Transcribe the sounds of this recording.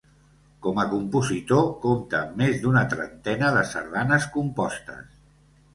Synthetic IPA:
kɔməkumpuzit̪okomt̪əmezd̪unət̪ɾə̰nt̪ɛnəðəsə̰ɾð̞anəskumpɔst̪ə̰s

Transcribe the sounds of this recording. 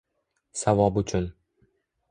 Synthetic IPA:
savɒbʊt͡ʃʰʊn

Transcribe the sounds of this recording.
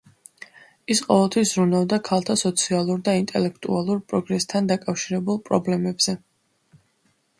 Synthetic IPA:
isqʼɔvɛlˠt̪ʰwis̬zɾunavd̪akʰalˠt̪ʰasɔt̪sʰialˠuɾd̪aint̪ʼɛlɛkʰt̪ʼṵalˠuɾpʼɾɔɡɾɛst̪ʰand̪akʼafʃiɾɛbulˠpʼɾɔblɛmɛbz̥ɛ

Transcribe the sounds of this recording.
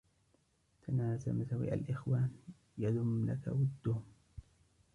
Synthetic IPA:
t̪ʰanaːsamasawḭʔa̰lʔɪxwaːn | jad̪ʊmlaka̰wad̪ːʊhʊm

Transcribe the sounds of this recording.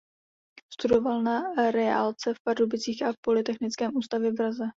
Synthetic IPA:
st̪udo̞valnaɾɛa̰lt͡sɛfpaɾubɪt͡siːxʔapo̞lɪt̪ɛxnɪt͡skɛːmʔuːst̪avjɛvɾazɛ

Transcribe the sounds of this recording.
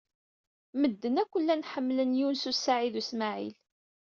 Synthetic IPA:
məd̪ːənækʷːəlːænħəmːlənjunsusːaʕiðusmaʕḭl

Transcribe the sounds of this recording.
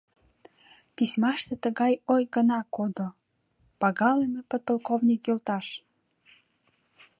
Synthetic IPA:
pisʲmɑʃt̪et̪əɣɑjojɣənɑkod̪o | pɑɣɑlemepət̪̚pəlkovnʲikjølt̪ɑʃ

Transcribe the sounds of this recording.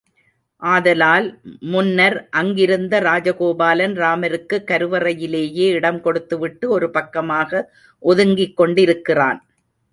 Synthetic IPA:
ʔaːðɐlaːlmʊnːɐɾʔɐŋɡɪɾɯnd̪ɐɾaːd͡ʒɐɣoːbaːlɐnɾaːmɐɾɯkːɯkːɐɾɯʋɐrɐjɪleːjeːɪɽɐmkɔɽɯt̪ːɯʋɪʈːɯɔɾɯpɐkːɐmaːɣɐ | ʔɔðɯŋɡɪkːɔɳɖɪɾɯkːɪra̰ːn

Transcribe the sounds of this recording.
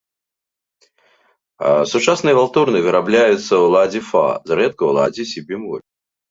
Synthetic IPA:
sʊt͡ʂasnɨjəvalˠt̪urnɨvʲɪɾablʲajʊt̪səwlˠad͡zʲɪfa̰zɾɛt̪̚kəlˠa̰d͡zʲisʲibʲimɔ̰lʲ

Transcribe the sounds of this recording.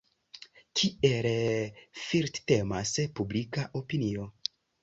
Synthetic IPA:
kʰiel | fiɾtte̞maspublikaʔo̞pinio̞

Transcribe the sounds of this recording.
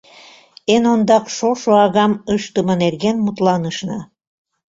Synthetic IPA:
enond̪ɑkʃoʃoɑɣɑməʃt̪əmɤnerɣenmut̪lɑnəʃnɤ

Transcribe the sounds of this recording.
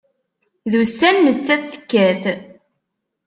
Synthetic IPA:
ðusænːət͡sːæθə̥kːæθ

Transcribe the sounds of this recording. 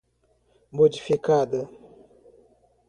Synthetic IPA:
mod͡ʒifikad̪ə

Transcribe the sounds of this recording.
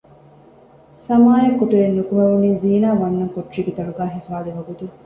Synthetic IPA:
sɐmaːjɐkːoʈuɾenːukumeʋuniːziːnaːʋɐnːɐŋkoʈriːɡet̪ɐɭuɡæːɦifaːleʋɐɡut̪u

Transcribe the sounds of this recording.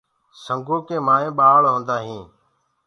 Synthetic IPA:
səŋɡoːkẽːmaːẽːɓaːɭɦõːnd̪aːɦĩː

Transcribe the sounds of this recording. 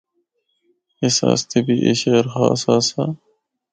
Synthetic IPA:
esa̰ːst̪ʰebiːʔḛʃeːɾxa̰ːsaːsaː

